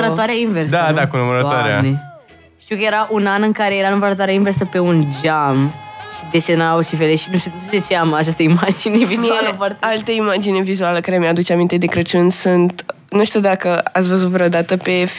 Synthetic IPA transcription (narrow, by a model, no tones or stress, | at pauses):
əɾəoaɾeainverssd̪ad̪akunuməɾət̪aɾea̰ne | t̪iwkəje̞ɾaʔunanɨŋkaɾe̞jeɾanuməɾət̪̬waɾeainversəpe̞und͡ʒamʃid̪esenaaosifeleʃinuʃt̪iud̪ut͡ʃet͡ʃeaməat͡ʃast̪əimad͡ʒinevimuaəfart̪ealt̪əimad͡ʒine̞vizualəkaɾemead̪ut͡ʃeamint̪e̞d̪e̞kɾət͡ʃunsunt̪ | nuʃt̪iuwd̪akəat̪sʲvəzut̪vɾeod̪at̪əpe̞